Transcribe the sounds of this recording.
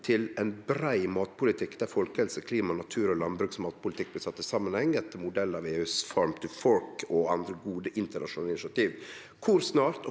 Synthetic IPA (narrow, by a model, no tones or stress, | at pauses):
t̪ʰɪlɛnbɾæɪmɑːt̪̚pʰʊlɪt̪ʰɪkːd̪æɾfɔlkəɛlsəkʰliːmɑnɑt̪ʰʉːɾɔlɑnbɾʉːksmɑːt̪̚pʊlɪt̪ʰɪk̚blɪsɑt̪ːɪsɑmənhɛŋːɛt̪ːəmʊd̪ɛlːɑʋeːʉːsfɔɾmt̪ʰɪfɔɾkɔɑnd̪ɾəɡuːd̪əʔɪnt̪əɳɑʂʊnɑːlɪnɪʂɑt̪iːʋ | kʰʊɾsnɑːɾt̪ɔ